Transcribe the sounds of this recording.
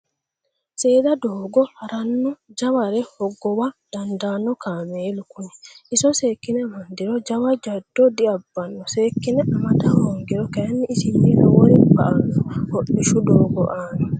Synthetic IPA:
seːd̪ɐd̪oːɡɔhɐɾɐnːɔd͡ʒɐwɐɾɛhɔɡːɔwɐd̪̥ɐnd̪aːnːɔkaːmeːlʊkʊnɛʔɪsɔseːkːɪnɛmɐnd̪ɪɾɔd͡ʒɐwɐd͡ʒɐd̪̥ːɔd̪ɪɐbːɐnːɔseːkːɪnɛʔɐmɐt̪ɐhoːŋɡɛɾɔkɛjɐnːɪːsɪnːiːnɔwɔɾɪbɐʔɐnːɔhɔɗːɪʃʊd̪oːɡɔʔaːnɛ

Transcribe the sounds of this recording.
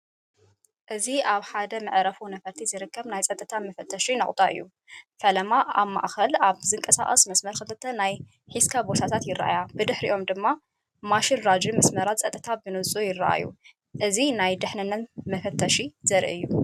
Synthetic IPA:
ʔɨziʔaβħad̪ɐmɨʕɾɐfunɐfɐɾt̪ʰizɨɾɨkʰːɐβnajt͡sʼɐt̪ʼɨt̪ʰamɐfɐt̪ʰːɐʃinɐχʼt̪ʼaʔɨ̰jːu | fɐlɐmaaβma̰ʔxɐlaβzɨŋkʼɐsa̰χʼɐ̰smɐsmɐɾkɨlɨt̪ʰːɐnaj | ħiskʰabo̞t̪ʰat̪ʰat̪jɪɾːa̰ʔa̰jabɨd̪ɨħɾiʔo̞md̪ɨmːa | maʃɪlɾad͡ʒimɐsmɐɾat̪t͡sʼɐt̪ʼɨt̪ʰabɨnɨsʼujɪraʔa̰jːṵ | ʔɨzinajd̪ɨħnɨnːɐt̪mɐfɐt̪ʰːɐʃizɐɾʔɨ̰jːu

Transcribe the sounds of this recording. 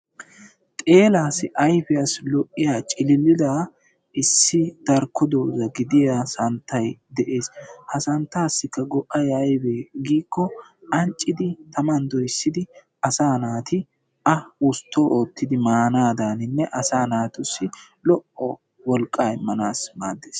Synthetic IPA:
t̪ʼe̞ːlaːsɪʔɐjfɪjaslɔʔːɪjaːt͡ʃʼɪlɪlːɪd̪a | ʔɪsːɪd̪̥ɐɾkʰːɔd̪o̞ːzɐɡɪd̪ɪjasɐnt̪ʰːɐjd̪ɛʔe̞ːshɐsɐnt̪ːaːsːɪkːɐɡɔʔɐjɐjbeɡiːkːɔɐnt͡ʃʼːɪd̪ɪt̪ɐmɐnd̪ɔjsːɪd̪ɪ | ɐsaːnaːt̪ɪ | ɐʊst̪ʰːoːʔoːt̪ːɪd̪ɪmaːnaːd̪aːnɪnːɛʔɐsaːnaːt̪ʊsːɪ | lɔʔɔ | wɔlkʼːaːmːɐnaːsmaːd̪ːeːs

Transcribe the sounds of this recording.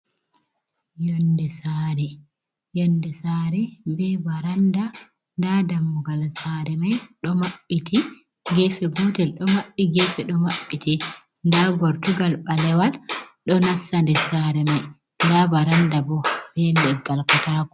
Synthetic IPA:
jɔndɛsaɾɛ | jɔndɛsaɾɛbɛbaɾanda | ndadamːuɡalsaɾɛmajɗɔmaɓːiti | ɡɛfɛɡɔtɛlɗɔmaɓːiɡɛfɛɗɔmaɓːitɛ | ndaɡɔɾtuɡalɓalɛwalɗɔnasːandɛsaɾɛmaj | ndabaɾandabɔb̥ɛmɛɡalkɔtaːku

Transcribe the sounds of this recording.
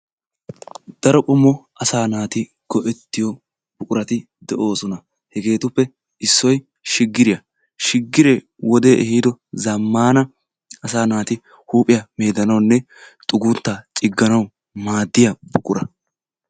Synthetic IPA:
d̪̥ɐɾɔkʼʊmːɔ | ɐsaːnaːt̪ɪ | ɡ̥ɔʔɛt̪ːɪjɔ | bʊkʼʊɾɐt̪ɪ | d̪ɛʔo̞ːsɔnɐ | hɛɡe̞ːt̪ʊpːɛ | ɪsːɔj | ʃɪɡːɪɾɪjɐ | ʃɪɡːɪɾeː | wɔd̪e̞ːʔɛhiːd̪ɔzɐmːaːnɐ | ɐsaːnaːt̪ɪ | huːpʼɪjɐme̞ːd̪ɐnɐwnːɛ | t̪ʼʊɡut̪ːat͡ʃʼɪɡːɐnɐw | maːd̪ːɪjɐbʊkʼʊɾɐ

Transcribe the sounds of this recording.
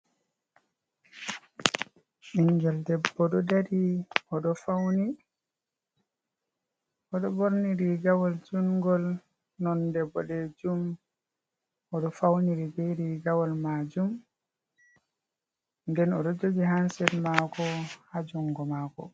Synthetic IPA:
ʔiŋɡɛldɛbːɔɗɔdaɾiɔɗɔfawni | ɔɗɔboɾniɾiɡawɔld͡ʒuŋɡɔl | nɔndɛbːɔɗɛd͡ʒum | ɔɗɔfawniɾibɛɾiɡawɔlmad͡ʒum | ndɛnɔɗɔd͡ʒod͡ʒiɦansɛɾmakɔhad͡ʒuŋɡɔmakɔ̰

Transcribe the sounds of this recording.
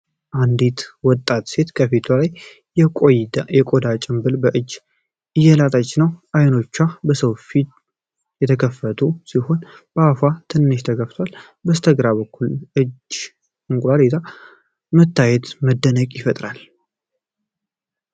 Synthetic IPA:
ʔand̪it̪wɔt̪ʼːat̪se̞t̪kʰəfit̪ʰulajʼ | jɛkʼod̪at͡ʃʼɪmbɨlbəʔɨd͡ʒː | ɨjːɛlat̪ʼat͡ʃʼːnəwʔajno̞t͡ʃːabəsəwfit̪ | jɛt̪ʰəkʰəfːət̪ʰusiho̞nb̥əafat̪ʰɨnːɨʃt̪ʰəɡəft̪ʰwal | bəst̪ʰəɡɾaβbəkːulʔɨd͡ʒ | ɨŋkʼɾalet̪ʰa | mət̪ʰːajɛt̪məd̪ːənəkʼjɪfət̪ʼɾal

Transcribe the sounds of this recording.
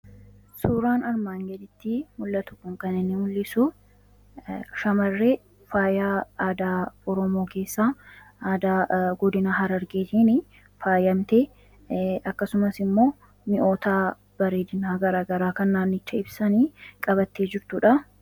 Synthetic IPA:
suːɾaːnɐɾmaːŋɡɛd̪ɪt̪ːɪmʊlːɐt̪ʊkːʊŋkɐnɪnːɪmʊlːɪsʊ | ʃɐmɐrːeː | faːjaːaːd̪aːɔɾɔmo̞ːke̞ːsːaːaːd̪aɡɔd̪ɪnaɦɐɾɐɾɡeːt̪iːnɪ | faːjɐmt̪eː | ɐkːɐsʊmɐsɪmːo̞ː | mɪʔo̞ːt̪aː | b̥ɐɾeːd̪ɪnaːɡɐɾaːɡɐɾaːkɐnːaːnːɪt͡ʃːɐɪbsɐniːkʼɐbɐt̪ːeːd͡ʒɪɾt̪ʊᶑɐ

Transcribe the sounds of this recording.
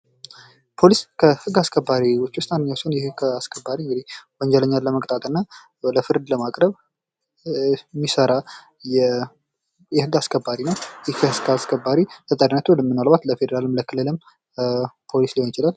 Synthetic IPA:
pʰo̞liskʰəhɨɡaskʰəbːaɾiwɔt͡ʃːwst̪andɨɲːawsonjɛhɨɡaskʰəbːaɾiɨŋɡɨd̪ihwɔɲd͡ʒələɲːalːəməkʼt̪ʼat̪ʼɨnːa | ləfɨɾd̪ləmakʼɾəβ | mːisəɾa | jɛ | jɛhɨɡaskʰəbːaɾinəwjɪhkʰəhɨɡaskʰəbːaɾit̪ʰət̪ʼəɾinːət̪ʰuləmːɨnalβat̪ləfed̪eɾalɨmləkʰɨlːɨlɨm | pʰo̞lisliho̞njɪt͡ʃɪlal

